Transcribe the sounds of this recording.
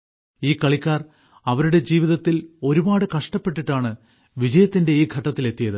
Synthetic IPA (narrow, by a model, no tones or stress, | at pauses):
iːkːɐɭikʲːaːr | ɐʋɐɾuɽe̞d͡ʑiːʋiðɐt̪ːilo̞ɾubaːɽɨkɐʂʈɐpːe̞ʈːiʈːaːɳɨ | ʋid͡ʑɐjɐt̪ːinde̞iːɡʱɐʈːɐt̪ːile̞t̪ːijɐðɨ